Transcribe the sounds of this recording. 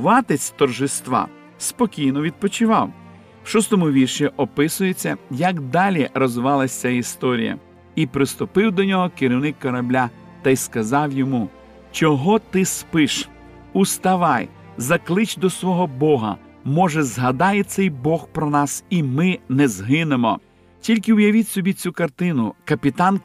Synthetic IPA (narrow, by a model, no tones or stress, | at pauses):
ʋɑt̪et͡sʲt̪ɔrʒɪst̪ʋɑ̰ | spɔkʲijnɔʋʲid̪̚pɔt͡ʃɪʋɑw | ʃɔst̪ɔmʊʋʲirʃiʔɔpɪsʊjet͡sʲːɐjɐkd̪ɑlʲirɔzʊʋɑlˠɐsʲt͡sʲaist̪ɔɾʲḭjɐ̰ | ipɾɪst̪ʊpɪwd̪ɔnʲɔɦɔkeɾʲiwnɪkːɔɾɐblʲa | t̪ɐjskɐzɑwjɔmu | t͡ʃɔɦɔt̪ɪspɪʃ | ust̪ɐʋɑj | zɐklˠɪt͡ʃʲd̪ɔsʋɔɦɔbɔɦɐ̰ | mɔʒɛzɦɐd̪ɑjɛt̪sɛjbɔxpɾɔnɑsimɪnɛzɦɪnemɔ | tʲilʲkɪʊjɐʋʲitʲsʲɔbʲit͡sʲukɐrt̪ɪnʊkɐpʲit̪ɑn